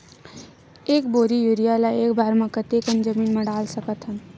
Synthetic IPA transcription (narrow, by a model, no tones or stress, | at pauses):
eːkboːɾijuːɾijalaeːkbʱaːɾmãkət̪ekənd͡ʒəmiːnmɐ̃ɽaːlsɐkət̪ɦə̃n